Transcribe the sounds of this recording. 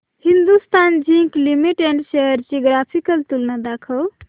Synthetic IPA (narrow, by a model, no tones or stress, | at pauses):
hind̪ust̪and͡ʒĩŋklimiʈeɳɖʃeɦəɾd͡ʒiɡɾapʰikəlt̪ulnad̪akʰəw